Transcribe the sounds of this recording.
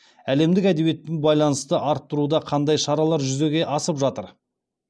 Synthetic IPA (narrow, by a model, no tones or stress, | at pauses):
æle̞md̪ɪkæd̪e̞bije̞t̪ːɪnbɑjlˠɑnəst̪əʔɑɾt̪ːəɾud̪ɑqʰɑnd̪ɑjʃɑɾɑlˠɑɾʒʏze̞ɡʲe̞ʔɑsəpʒɑt̪əɾ